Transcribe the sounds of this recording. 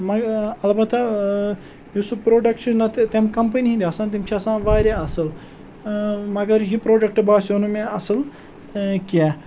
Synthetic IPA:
mɐɐlbɐt̪ʰa | jusupɾoːɖɐkʈt͡ʃnɐt̪emkɐmpɐniɦĩnd̪ʲiɐsãt̪̬imt͡ʃʰiɐsãːʋaːɾeɐsəl | mɐɡɐɾjipɾoːɖɐk̚ʈbaːsunumẽɐsəl | kija

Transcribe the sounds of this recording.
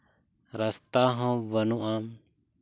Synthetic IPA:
ɾast̪aɦɔ̃bənuʔam

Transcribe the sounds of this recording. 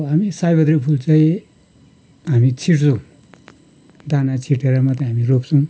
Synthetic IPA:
ɦamisajbʌd̪ɾipʰult͡saĩ | ɦamit͡sʰiʈt͡sʰõ | d̪ʱanat͡sʰiʈeɾamatãɦamiropsʰʌw̃

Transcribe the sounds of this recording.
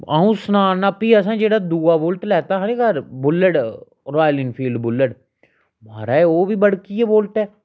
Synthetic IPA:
aːũːsnaːnəpiːəs̬ãːd͡ʒeːɽaːd̪uːaːboːlʈlɛːt̪aːɦəɾeːɡəɾbʊlːəɽ | ɾaːjlɪnpʰiːlɖbʊlːəɽ | maːɾaːoːbiːbəɽkieboːlʈ̪ɛː

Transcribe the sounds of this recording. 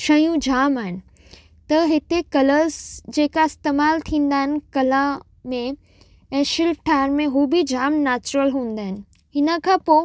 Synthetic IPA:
ʃɐjũd͡ʑaːmaːɦɪnɪ̆ | t̪ɐɦɪt̪ekɐləɾzd͡ʑeːkaɪst̪eːmaːlt̪ʰĩːn̆d̪aːɦɪnɪ̆kɐlã | mẽ | ɛ̃ːʃɪlfʈʰaːɾmẽɦuːbid͡ʑaːmnɛːt͡ɕɾəlɦũːn̆d̪aːɦɪnɪ̆ | ɦɪnə̆kʰãːpoː

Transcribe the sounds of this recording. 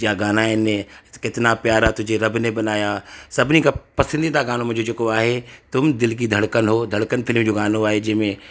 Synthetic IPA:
jaɡaːnaɪnẽkɪt̪napjaːɾat̪ʊd͡ʒʱeɾɐbnẽbɐnaːjasɐbnikapɐsə̃nd̪it̪aɡaːnõmʊ̃ɦd͡ʒod͡ʒekoaːɦet̪ʊmd̪ɪlk̬id̪ʱɐɽkənɦoːd̪ʱɐɽkənfʰɪlmd͡ʒoɡaːnoaːɦed͡ʒɪmẽ

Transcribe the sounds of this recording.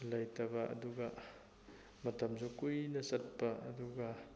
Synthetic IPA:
lajtɐbaʔɐ̰duɡa | mɐtɐmzɔkujnɐsɐt̚paɐ̰duɡa

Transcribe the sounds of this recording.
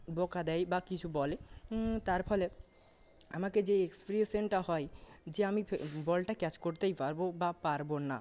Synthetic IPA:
bɔkad̪ɛjbakit͡ɕʰubɔlet̪aɾpʰɔle | a̰maked͡ʑeekspeɾiesenʈaɦɔed͡ʑeamibɔlʈakɛt͡ɕkoɾt̪ejpaɾbobapaɾbona

